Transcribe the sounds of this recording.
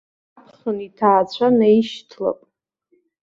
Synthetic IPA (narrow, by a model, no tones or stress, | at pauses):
apʰχənitʰaːt͡ɕʷʰanajiʃtʰla̰pʼ